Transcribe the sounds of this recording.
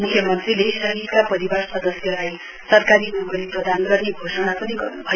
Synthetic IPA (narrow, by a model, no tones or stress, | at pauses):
mukʰjʌmʌnt̪rilesʌɦipkapʌɾibarsʌd̪ʌsjʌlaj | sʌrkaɾiuɡʌɾiprʌd̪ʱanɡʌrneɡʱosʌnapʌniɡʌrnubʱʌ